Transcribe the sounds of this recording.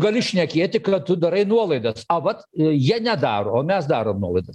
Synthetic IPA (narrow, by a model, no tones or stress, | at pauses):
ɡɐlʲɪʃʲnʲɛkʲeːt̪ʲɪkɐtt̪ʊd̪ɐɾɐɪnuɔlˠɐɪd̪ɐsɐʋɐt̪jiɛnʲɛd̪ɑːɾoːoːmʲɛsd̪ɑːɾoːmnuɔlˠɐɪd̪ɐs